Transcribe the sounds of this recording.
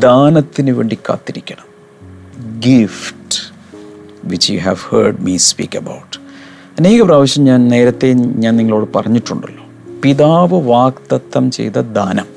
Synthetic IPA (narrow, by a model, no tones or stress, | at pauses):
d̪aːnɐt̪ːinɨʋe̞̰ːɳɖikːa̰ːt̪ːiɾikʲːɐɳɐm | ɡifʈ | ʋit͡ɕːjṵɦæʋhə̰ːɖmispḭːkːɐbɐ̰wʈː | ɐne̞ːɣɐpraːʋɐɕjɐmɲaːnne̞ːɾɐt̪ːe̞ɲaːnniŋːɐɭo̞ːɽɨpɐrɐɲːiʈːuɳɖɐlːoː | piðaːʋɨʋaːkt̪ɐt̪ːɐmt͡ɕejt̪ɐd̪aːnɐm